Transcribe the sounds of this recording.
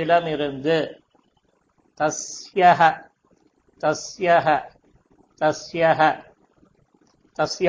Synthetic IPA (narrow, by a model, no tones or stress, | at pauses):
ɪlaːmɪɾɯnd̪ɯ | t̪ɐsjaɦɐ | t̪ɐsjaɦɐ | t̪ɐsjaɦɐ | t̪ɐsj